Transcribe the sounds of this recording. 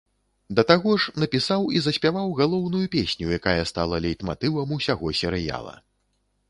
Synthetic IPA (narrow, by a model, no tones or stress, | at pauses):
d̪ɐt̪aɣɔʂnɐpʲisawizɐsʲpʲavawɣalˠɔwnujupʲesʲnʲujakajɐst̪a̰lˠɐlʲejt̪ma̰t̪ɨvɐmusʲaɣɔsʲɛɾɨja̰lˠɐ̰